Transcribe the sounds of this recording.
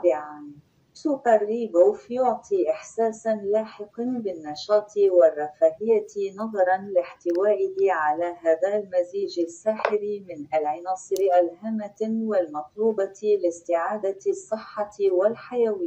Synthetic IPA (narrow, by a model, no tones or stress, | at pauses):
bɪʕan | suːqarːiːbʊːfjʊʕt̪ˤiʔɪħsaːsalaːħɪqnbɪnːɑʃɑːt̪ˤʰiwɪrˤːɑfaːhɪjːanɑðˤɑɾˤɑnlɪħt̪ɪwaːʔɪhɪʕalaɦaːðalmaziːʒasːaːħɪɾimɪnʔalʕɑnɑːsˤɨɾʔalɦamːawalmɑt̪ˤluːbɑlɪst̪ɪʕaːd̪asˤːɨħːɑwɪlħajawiː